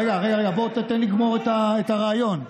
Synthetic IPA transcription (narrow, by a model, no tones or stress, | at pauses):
eɡaːʁejaʁejabot̪at̪enliɡmo̞ʁet̪aetaʁeːjo̞n